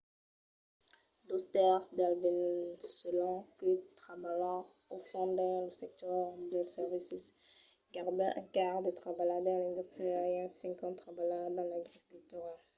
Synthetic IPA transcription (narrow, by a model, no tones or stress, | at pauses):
d̪ost̪ɛʁsd̪alvinsəlɔ̃kət̪χabala | ofɔ̃d̪ɛ̃ləsɛk̚t̪œʁd̪əsɛʁvisis | ɡaʁd̪ɛʔɛ̰̃kaʁd̪ət̪χabalad̪ɑ̃lɛ̃d̪yst̪χiaɛ̃sɛ̃ŋkɑ̃t̪χabalad̪ɑ̃laɡʁikylt̪yʁal